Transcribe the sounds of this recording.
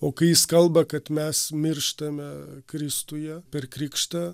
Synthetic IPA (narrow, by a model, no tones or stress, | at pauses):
oːkɐɪjɪskɐlˠbɐkɐt̪mʲɛsmʲɪrʃt̪ɐmʲɛkɾʲɪst̪ʊjɛpʲɛrkɾʲɪkʃt̪ɐ